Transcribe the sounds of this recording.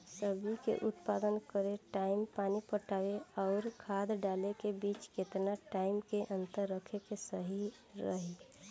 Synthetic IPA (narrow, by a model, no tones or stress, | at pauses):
səbikḛʔʊt̪paːd̪ənkəɾeʈaːɪmpaːnipəʈaːweɔːɾkʰaːd̪ɖaːlekebiːt͡ʃket̪naʈaːɪmkeʔə̃nt̪əɾːəkʰekesəɦi | ɾəɦi